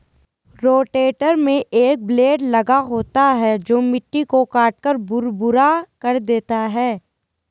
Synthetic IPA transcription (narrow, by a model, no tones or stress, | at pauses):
ɾoːʈeːʈəɾmẽʔeːk̚bleːɖlɐɡaɦoːt̪aɦɛd͡ʒoːmɪʈːikokaːʈ̚kəɾbʊɾbʊɾakɐɾd̪eːt̪aɦɛː